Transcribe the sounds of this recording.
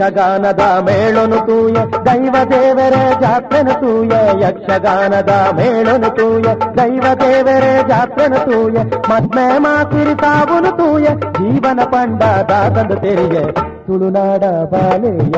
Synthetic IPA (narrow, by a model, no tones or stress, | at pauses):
ɐɡaːnɐd̪ɐmeːɭonut̪uːjɐd̪ɐjʋɐd̪eːʋɐɾed͡ʒaːt̪ɾɐnɐt̪uːjɐjɐkʂɐɡaːnɐd̪ɐmeːɭonut̪uːjɐd̪ɐjʋɐd̪eːʋɐɾed͡ʒaːt̪ɾɐnɐt̪uːjɐmɐt̪meːmaːsiɾit̪aːʋunut̪uːjɐd͡ʒiːʋɐnɐpɐɳɖɐd̪aːt̪ɐnd̪ɐt̪eɾije | t̪uɭunaːɽɐbʱaːlejɐ